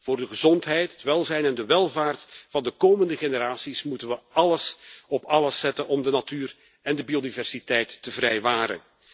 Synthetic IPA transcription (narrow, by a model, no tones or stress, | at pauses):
v̥ʊːrdəɣəzɔntɦɛjtɦətʋɛlˠzɛjnɛndəʋɛlˠvaːrtfɑndəkoːməndəχenəɾaːsismutənʋəɑləsɔpɑləsːɛtənɔmdənatyːr | ɛndəbiodivɛrsitɛjtːəvrɛjʋaːɾə̰n